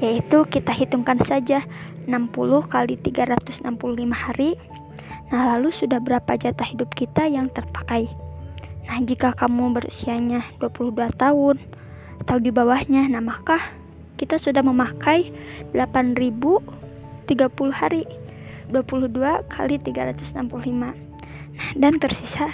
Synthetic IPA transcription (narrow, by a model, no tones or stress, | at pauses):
jait̪ukit̪aɦit̪uŋkansad͡ʒaənampulʊhkalit̪iɡaɾat̪ʊsənampuluhlimahaɾi | nahlalusudahbəɾapad͡ʒat̪ahidʊp̚kit̪ajaŋt̪ərpḁkaj | nahd͡ʒikakamubəɾṵsiaɲad̥uapuluhduat̪aʊn | at̪audibawahɲanahmakah | kit̪asudahməmakajdəlapanribu | t̪iɡapuluhhaɾi | duapuluhduakʰa̰lit̪iɡaɾat̪ʊsnampuluhlima | nahdant̪ərsisa